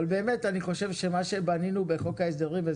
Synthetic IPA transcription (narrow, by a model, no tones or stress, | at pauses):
albeːmetaniχo̞ʃe̞vʃe̞maʃe̞baninube̞χo̞kaes̬d̪eʁimve